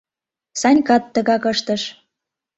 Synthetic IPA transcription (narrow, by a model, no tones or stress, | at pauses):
sɑnʲkɑt̪ːə̆ɣɑkəʃt̪ə̆ʃ